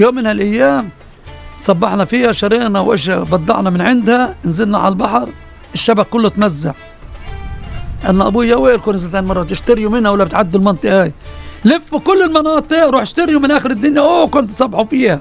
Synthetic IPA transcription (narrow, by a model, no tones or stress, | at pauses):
joːmːɪnhalʔajːaːm | sˤɑbːɑħnɑfiːhaʃɑɾiːnɑwʔɪ̰ʃbɑd̪ˤːɑ̰ʕnɑmɪnʕɪnd̪haɪnzɪlnaʕa̰lalbɑħɾˤ | ʔɪʃːabaʔkʊlːʊt̪mazːa̰ʕ | ʔanːæʔɑbuːjaweːʔɪlkʊɾnɪzat̪aːnmɑrˤːɑt̪ɪʃt̪aɾjumɪnhawalːabɪt̪ʕad̪ːʊlmɑnt̪ˤɨʔhaːjlɪfːukʊlːɪlmɑnɑːt̪ˤɨʔɾˤuːħɪʃt̪aɾjumɪnʔaːxɪɾɪd̪ːʊnjaʔoːkʊnt̪t̪sˤɑbːɑħufiːha